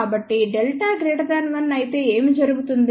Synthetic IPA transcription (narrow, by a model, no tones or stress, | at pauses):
aːbɐʈːiɖelʈaːɡɾeːʈɐd̪aːnʋɐnːɐjit̪e̞ːeːmid͡ʒɐɾuɡut̪und̪